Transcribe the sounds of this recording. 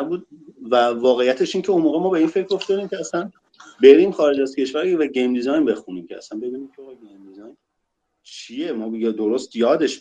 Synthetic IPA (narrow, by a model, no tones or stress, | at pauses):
buːd̪̚vævɒːɣejːæt̪ʰe̞ʃiːncʰeunmoːɣemɒːbe̞iːnfecʰɾoft̪ɒd̪iːmcʰʲeæslæn | be̞ɾiːmxɒːɾe̞d͡ʒæzcʰe̞ʃvæɾvæɟejmd̪izɒjnbe̞xuniːmcʰeæ̰sænbe̞biːniːmcʰeɒɣɒɡejmd̪izɒjn | t͡ʃʰijemɒːbjd̪oɾost̪jɒːd̪e̞ʃ